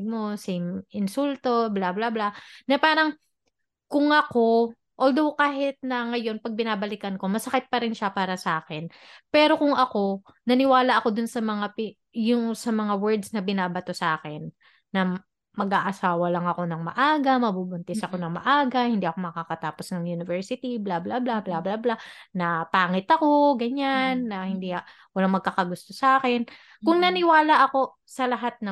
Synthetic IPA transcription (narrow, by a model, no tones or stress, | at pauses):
ɡ̚mosɪmʔɪnsult̪o̞blablablanɐpaːɾɐŋ | kʊŋɐko̞ | ʔold̪owkaːɦɪt̪̚nɐŋɐjo̞npɐɡ̚bɪnaːbɐlɪkɐnko̞mɐsɐkɪt̪̚pɐɾɪnʃapaːɾɐsɐʔaːkɛn | pɛːɾo̞kʊŋʔɐko̞ | nɐnɪwaːlɐʔɐko̞d̪ʊnsɐmɐŋap | jʊŋsɐmɐŋawɛɹd̪snɐbɪnaːbɐt̪osɐʔaːkɛnː | ɐ | mɐɡʔaːʔɐsaːwɐlɐŋɐko̞nɐŋmɐ̰ʔaːɡɐmɐbubʊnt̪ɪsɐko̞nɐŋmɐ̰ʔaːɡɐhɪnd̪iːʔɐkomɐkakɐt̪aːposnɐŋjunɪvɛɹsɪt̪iblablablablablablanɐpaːŋɪt̪ɐko̞ɡɐɲanːɐhɪnd̪ia | wɐlaŋmɐɡ̚kaːkɐɡʊst̪o̞sɐʔaːkɛn | kʊŋnɐnɪwaːlɐʔɐko̞ | sɐlɐɦat̪̚nɐ